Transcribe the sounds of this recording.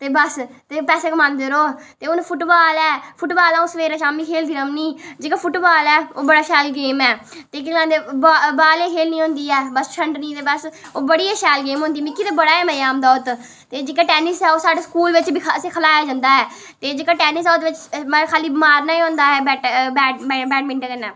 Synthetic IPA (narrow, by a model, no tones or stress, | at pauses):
t̪eːbəst̪eːpɛːseːkəmãːnd̪eːɾoːt̪eːʊnpʰʊʈbaːlɛːpʰʊʈbaːlãːoːsəʋeːɾãːʃaːmiːkʰeːld̪iːnəmniːd͡ʒeːkaːpʰʊʈbaːlɛːoːbəɽaːʃɛːlɡeːmɛː | t̪eːk̬ɪãnd̪ebbaːleːkʰeːlnĩːɦõːnd̪iːɛːbəst͡ʃʰəɳɖnĩːt̪eːbəsoːbəɽiːaʃaːlɡeːmɦõːnd̪iːmɪkːiːd̪eːbəɽaːɛːməjaːmd̪aːʊt̪ | t̪eːd͡ʒeːkaːʈɛːnɪsɛːoːsaːɖeːskuːlʋɪt͡ʃbiːəsẽːkʰəlaːjaːd͡ʒãːnd̪aːɦɛː | t̪eːd͡ʒeːkaːʈɛːnɪs̬ɛːod̪eːʋɪt͡ʃmːkʰaːliːbmaːɾnaːĩõːnd̪aːɦɛːbɛːʈbɛːɛbɛːʈmɪ̃ɳʈakənɛː